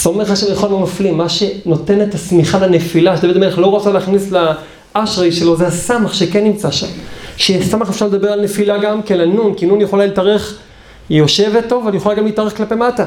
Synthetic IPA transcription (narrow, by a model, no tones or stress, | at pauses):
z̥ome̞χaʃavjeχolmamaflimːaʃe̞no̞te̞net̪asmiχalenefilaʃed̪aved̪meleχlo̞ʁot͡saleaːχnisla | aʃʁejʃe̞lo̞zeasamaχʃekenːimt͡saʃa̰mʃesamaχefʃaʁled̪abealnefilaɡamkelanunkinunjeχolalitaʁe̞χ | jo̞ʃe̞vetːo̞valjexolaɡamliːtaʁe̞χklape̞mata